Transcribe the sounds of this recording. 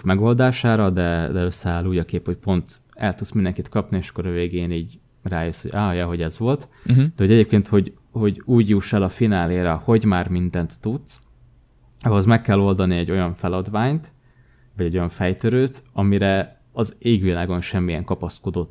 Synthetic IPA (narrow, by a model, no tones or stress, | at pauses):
mɛɡo̞ld̪aːʃaːɾɒd̪ɛd̪ɛø̞sːɛaːlːuːɟɒkeːpho̞c̚po̞nt̪ | ɛlt̪ut̪smind̪ɛŋkit̪kɒpnieːʃɒ̥kːoɾɒveːɡeːniːɟ | raːjøshoɟaːjɛɦo̞ɟɛzʋo̞lt̪ | d̪̥ɛho̞ɟɛɟeːp̚keːnt̪ho̞ɟ | ho̞ɟuːɟjuːʃɛlɒfinaːleːɾɛho̞ɟmaːrmind̪ɛnt̪ːut̪s | ɒɦozmɛkːɛlːo̞ld̪ɒniɛɟːo̞jɒɱfɛlɒd̪ʋaːɲt̪ | vɒɟɛɟo̞jɒɱfɛjt̪øɾøːt̪ɒmiɾɛ | ɒzeːɡʋilaːɡo̞nʃɛmːijɛ̰ŋkɒpɒsko̞d̪o̞t̪ː